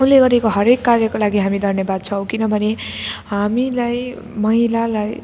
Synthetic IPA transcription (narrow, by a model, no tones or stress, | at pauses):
ũleɡʌɾekoɦʌɾekːarjʌkolaɡiɦamid̪ʱʌrnjʌbad̪̚t͡sʰʌw̃kinʌbʱʌneɦamilaj | mʌɦilalaj